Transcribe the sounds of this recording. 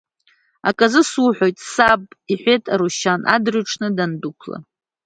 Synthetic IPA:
akʼazɨsuħʷojtʼsabʼiħʷetʼaɾuʃanʔa̰drɥʈ͡ʂʰnɨdandukʷʰla̰

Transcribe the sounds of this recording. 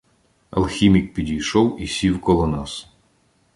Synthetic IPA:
ɐ̰lˠxʲimʲik̚pʲidʲijʃɔwisʲiwkɔlˠɔnɑs

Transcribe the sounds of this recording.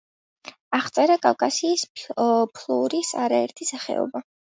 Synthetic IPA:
aʁt̪sʼɛɾakʼalkʼasiːspʰlˠuɾisaɾaɛɾt̪ʰisaχɛ̰ɔ̰ba

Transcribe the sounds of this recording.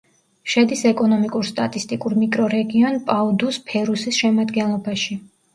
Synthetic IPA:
ʃɛd̪isɛkʼɔnɔmikʼuɾst̪ʼat̪ʼist̪ʼikʼuɾmikʼɾɔɾɛɡiɔnpʼaud̪uspʰɛɾusisʃɛmad̪ɡɛnlˠɔbaʃi

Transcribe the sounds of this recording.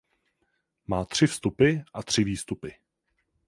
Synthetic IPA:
maːt̪r̝̥ɪfst̪upɪʔat̪r̝̥ɪviːst̪upɪ

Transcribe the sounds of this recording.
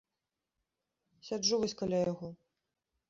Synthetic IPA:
sʲauvɐsʲkalʲajaɣɔ

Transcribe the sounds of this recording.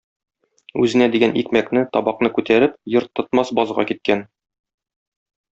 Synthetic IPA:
ʉzɘ̆næd̪iɡænʔikmæknɘt̪ɒbɑqnɤkʉt̪æɾɘp̚jɤ̆ɾt̪ːŏt̪mɑsbɒzʁɑ̰kit̪̚kæn

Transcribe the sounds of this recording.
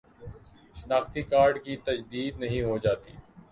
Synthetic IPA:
ʃənaːxt̪iːkaːɾɖkit̪əd͡ʒd̪iːd̪nɐɦĩːɦoːd͡ʒaːt̪ḭː

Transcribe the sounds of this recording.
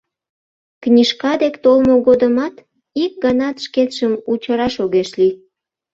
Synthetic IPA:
knʲiʃkɑd̪ekt̪olmoɣod̪əmɑt̪ | ik̚ɡɑnɑt̪ʃket̪ʃəmut͡ɕəɾɑʃoɣeʃli

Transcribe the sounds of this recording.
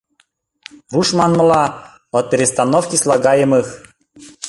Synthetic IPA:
ruʃmɑnmɤ̆lˠɑ | ɔpʲeɾʲɪst̪anofkʲislˠaɡɑjəmɯx

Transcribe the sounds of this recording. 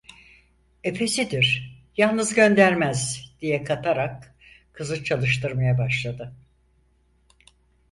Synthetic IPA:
e̞pʰe̞sid̪iɾ̥jalˠnɯzɟø̞nd̪æɾmæzd̪̥ijɛkʰat̪ʰaɾak̚ | kʰːɯzɯt͡ʃʰalˠɯʃt̪ʰɯɾmajabaʃlˠad̪ɯ

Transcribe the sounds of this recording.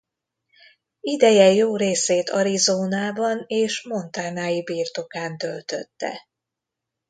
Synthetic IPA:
id̪ɛjɛjoːɾeːseːt̪ʰɒɾizoːnaːbɒneːʃmo̞nt̪aːnaːjibiːrt̪o̞kaːnt̪ølt̪ø̰t̪ːɛ̰

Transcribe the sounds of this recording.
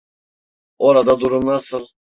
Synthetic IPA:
oɾad̪ad̪uɾumnasɯlˠ

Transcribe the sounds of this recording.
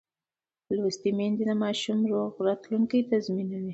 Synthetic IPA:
lust̪imend̪id̪amɑʃumɾoɣɾɑt̪luŋkajt̪azminuni

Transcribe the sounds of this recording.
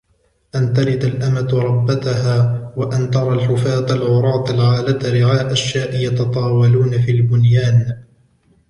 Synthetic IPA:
ʔant̪ɑɾɪd̪alʔamat̪ɾˤɑbːat̪aɦaːwaʔant̪ɑɾˤɑlħʊfaːt̪alʕʊɾˤɑːt̪ˤalʕaːlat̪aɾɪʕaːʔaʃːaːʔɪjɑt̪ɑt̪ˤɑːwɑluːnafiːlbʊnjaːn

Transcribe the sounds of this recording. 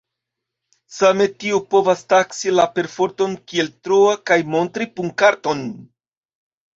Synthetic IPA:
same̞tiupo̞vastaksilape̞ɾfo̞ɾto̞nkie̞ltɾoakajmo̞ntɾipuŋkaɾto̞n

